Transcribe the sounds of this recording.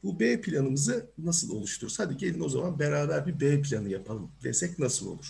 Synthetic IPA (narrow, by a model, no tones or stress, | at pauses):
bubeːpʰilʲanɯmɯzɯnasɯlˠo̞̰lˠuʃt̪ʰuɾshad̪iɟelʲino̞zamanbeɾaːbæɾbibejpʰilʲanɯjapʰalˠɯmd̪esɛcnasɯlˠo̞̰lˠuɾ̥